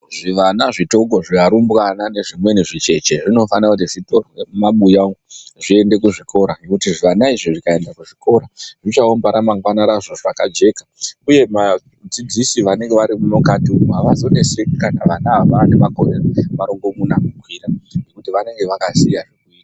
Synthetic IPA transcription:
ʐiʋanaʐito̞koʐiaɾumbɣanane̞ʐimwe̞niʐit͡ʃe̞t͡ʃe̞ʐino̞fanakut̬iʐitomaɓujaŋɡʐie̞nde̞kuʐikʰo̞ɾanekutiʐiʋanaiʐiʐikae̞ndakuʐikʰo̞ɾaʐit͡ʃaombaɾamaŋɡwanaɾaʐo̞ʐakad͡ʒe̞kḁuje̞ma | d͡zid͡zisiʋane̞ŋɡe̞ʋaɾimuno̞katimaʋazo̞ne̞sekanaʋanaʋane̞makorereʋaɾo̞ŋɡo̞munakukwiːɾanekutiʋane̞ŋɡe̞ʋakasijaʐekuita

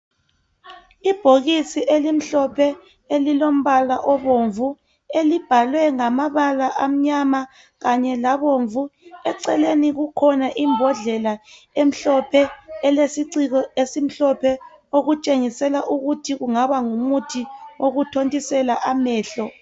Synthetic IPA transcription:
ib̥ʱoɣisiʔelim̩ɬɔpʰɛ | elilom̩βalaʔɔβoːɱvu | elib̥ʱalwɛŋamaβalaʔam̩ɲama | ɣaɲɛlaβoɱvuɛǀɛleniɣukʰɔnaʔimbʱɔɮɛla | em̩ɬɔpʰɛːlesiǀiɣɔesim̩ɬɔpʰɛ | oɣut͡ʃʼeŋisɛlaʔuɣutʰiɣuŋaβaŋumutʰiwoɣutʰontʼisɛlaʔamɛːɬɔ

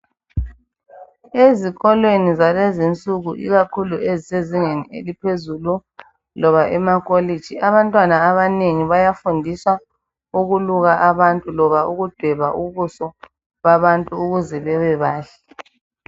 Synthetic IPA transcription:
eziɣɔlwenizalezint͡sʼuɣuʔḭɣakʰulueziseziŋeniḛlipʰezulu | lɔβaʔɛmakʼolid̥d͡ʒ̥ʱiaβantʼwanaːβaneŋiβajafundʱisa | uɣuluɣaʔaβantʼulɔβauɣud̥ʱwɛβaʔuβusɔ | βaβantʼuːɣuzɛβɛwɛβaːɬḁ

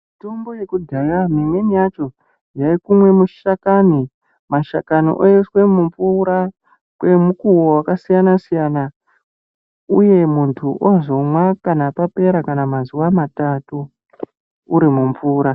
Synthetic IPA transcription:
mitombo̞jekudʱajamimwenijat͡ʃo̞ | jaikumwe̞muʃakani | maʃakano̰ʔojeswe̞muɱvuɾa | kwe̞mukuwowakasijanasijana | uje̞muntʰuʔozo̞mwakanapape̞ɾakanamazuwamatatuː | ɾimuɱvuːɾa

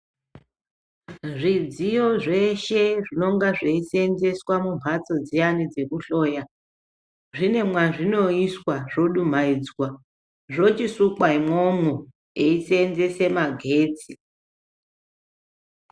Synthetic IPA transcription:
ʐid͡zijo̞ʐe̞ʃe̞ʐino̞ŋɡaʐeise̞nze̞swamum̤ʱat͡so̞d͡zijanid͡ze̞kuɬoːja | ʐine̞mwaʐino̞iswaʐo̞ɗum̤aid͡zwa | ʐo̞t͡ʃisukwaimomu | eisenzese̞maɡʱe̞ːt͡si

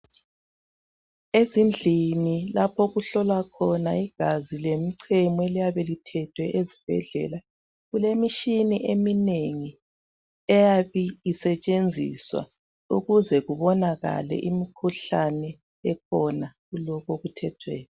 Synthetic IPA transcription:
ezind͡ɮʱinilapʰɔɣuɬɔlwakʰɔnaiɣ̥azilemiǀʰɛmɔelijaβelitʰɛtʰwɛʔezib̥ʱɛ̰ɮɛ̰la | ɣulemiʃiniʔemineŋi | ɛjaβiːsɛt͡ʃʼend͡zʱḭswa̰ | uɣuzɛɣuβɔnaɣa̰lɛ̰ʔimikʰuɬanɛ | ɛk̚ʰɔnaɣulɔɣoɣutʰɛtʰwɛ̰ːni

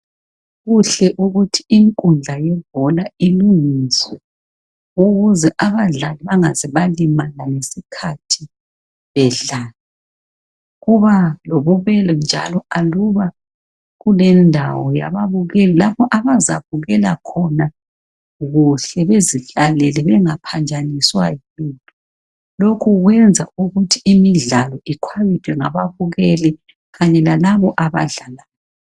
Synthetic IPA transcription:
ɣuɬɛʔuɣutʰiiŋkʼund͡ɮʱajɛb̥ʱɔlailuŋisɛ | uɣuzɛʔaβaɮaliβaŋazɛβalimananesikʰatʰi | βɛɮaːli | ɣuβalɔβɔβɛlɔnd͡ʒʱa̰lɔaluβa | ɣulɛndʱawɔja̰βaβuɣɛlɛlapɔʔaβaza̰βuɣɛla̰kʰɔna | ɣuɬɛβeziɬalɛlɛβɛŋapʰand͡ʒʱaniswa | intʰʼu | lokʰuɣwɛnd͡zʱauɣutʰiimiɮalɔikʰwaβitʰwɛŋa̰βaβuɣɛlɛ | ɣaɲɛlalaβɔʔaβa̰ɮalaːjɔɔ

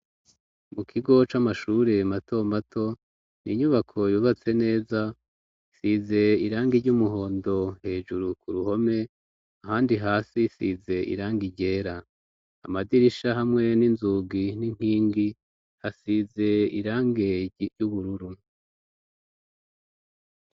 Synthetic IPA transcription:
mukʰiɡo̞t͡ʃamaʃuːɾe̞mato̞matʰo̞ | nḭɲuβakʰo̞juːβat͡se̞ne̞ːza | isize̞iɾaːŋɡiɾɟumuɦo̞ːndo̞he̞ːʒuɾukuɾuho̞me̞ | ahaːndiɦaːsisize̞ḭɾaːŋɡiɟe̞ːɾa | a̰madiɾiʃahamŋe̞ninzuɡiniŋ̥hiːŋɡi | hasize̞iɾaːŋɡeɟuβuɾuɾu

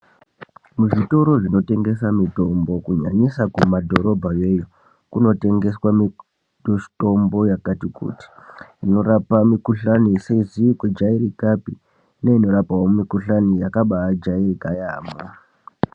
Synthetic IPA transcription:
muʐito̞ɾo̞ʐino̞te̞ŋɡe̞samito̞mbo̞kuɲa̰ɲisakumadʱo̞ɾo̞bʱaje̞jo | kuno̞te̞ŋɡe̞swami | oto̞mbo̞jakatikṵːti̥ːno̞ɾapamikuɬaniseizikwed͡ʒaiɾikapi | neino̞ɾapawomikuɬanijakaɓaːd͡ʒairikajaːma

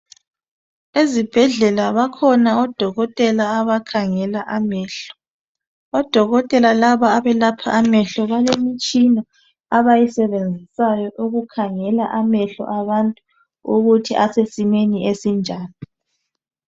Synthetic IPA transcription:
ezib̥ʱɛɮɛlaβakʰɔnaɔd̥ʱɔɣɔtʼɛlaːβakʰaŋɛlaʔamɛːɬɔ̥ | ɔd̥ʱɔɣɔtʼɛlalaβaːβɛlapʰaʔːmɛɬɔβalemit͡ʃʼina | aβajisɛβend͡zʱisajɔʔuɣukʰaŋɛlaʔamɛɬɔ̰ʔaβantʼu | uɣutʰiʔasesimeniesind͡ʒʱaːni

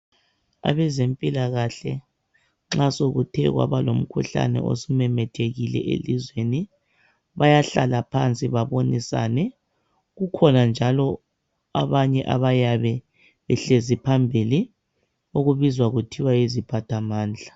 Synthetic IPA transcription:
a̰βɛzempʼilaɣaɬɛ̰ | ŋ͡ǁasoɣutʰɛ̰ɣwa̰βalom̩kʰuɬa̰nɛ̰ʔo̰sumɛmɛtʰeɣilɛ̰ʔḛlizweni | βajaɬalapʰant͡sʼiβaβonisa̰nɛ | ɣukʰɔnand͡ʒʱalɔ | aβaɲɛʔaβajaβɛ | βɛɬezipʰambʱili | oɣuβizwaɣutʰiwaizipʰatʰamaːnd͡ɮʱa

